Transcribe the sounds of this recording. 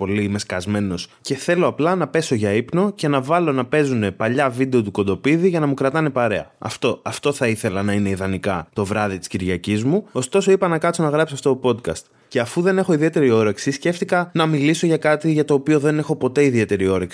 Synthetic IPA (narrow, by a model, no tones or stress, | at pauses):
po̞lime̞skɐzme̞no̞sce̞θe̞lo̞ɐplɐnɐpe̞so̞ʝɐipno̞ce̞nɐvɐlo̞nɐpe̞zune̞pɐʎɐvid̪e̞o̞t̪uko̞nd̪o̞piðiʝɐnɐmukɾɐt̪ɐne̞pɐɾe̞ɐ̰ɐ̰ft̪oɐft̪o̞θɐiθe̞lɐnɐine̞iðɐnikɐt̪o̞vɾɐðit̪i̥sciɾʝɐcizmuo̞st̪o̞so̞ipɐnɐkɐt̪t͡sonɐɣɾɐpsiɐft̪ot̪opo̞d̪kɐ̰st̪ | ce̞ɐfuðe̞ne̞xo̞iðie̞t̪e̞ɾio̞ɾe̞ksisce̞ft̪ikɐnɐmiliso̞ʝɐkɐt̪iʝɐt̪o̞ːpio̞ðe̞ne̞xo̞po̞t̪e̞iðie̞t̪e̞ɾio̞ɾeksi